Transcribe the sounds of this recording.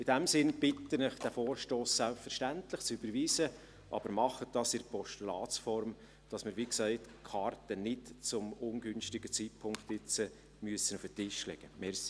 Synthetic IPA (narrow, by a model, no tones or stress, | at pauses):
ɪd̥æmsɪnb̥ɪtənɪχd̥æfoːɾʃtoːsːælpfəɾʃtæntlɪχt͡sybəɾʋiːsə | ʔɑ̰b̥əɾmɑχət̚d̥ɑːsɪɾpʰɔʃtulɑːt͡sfɔɾm | d̥ɑsmɪɾʋiksæɪtkʰɑrtənɪtt͡sʊmʊnɡʏnʃtɪɡət͡siːt̚pʰʊŋkt̪ɪt͡sə | myəsənufətɪʃlɛ̰ɡ̥əmɛɾs